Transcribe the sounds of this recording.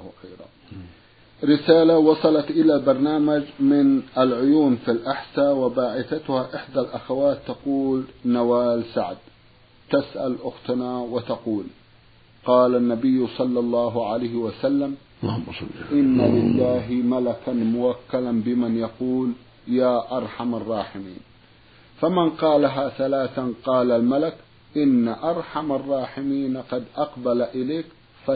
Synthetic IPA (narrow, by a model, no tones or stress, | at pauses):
xaɾa̰ | ɾɪsaːlawɑsˤɑlɑt̪ʔɪlalbɑɾˤnaːmad͡ʒmɪnʔalʕʊjuːnfilʔaħsaːwɪbaːʕɪθat̪ʊhaʔɪħd̪alʔaxawaːt̪ːɑquːlnawaːlsaʕd̪ | t̪asʔa̰lʔʊxt̪ʊnawɪt̪ɑquːl | qɑːlanːabɪjːsˤɑlːɑlˤːɑːɦʕalaːhɪwasalːam | ʔɪnːalɪlːaːɦɪmalakanmʊwakːalanbɪmanjɑquːl | jaːʔɑɾˤħamɑrˤːɑːħɪmḭːn | famɪnqɑːlaɦaθalaːθanqɑːlalmalak | ʔɪnːaʔɑɾˤħamɑrˤːɑːħɪmiːnqɑd̪ʔɑqbalaʔɪlaːk | fa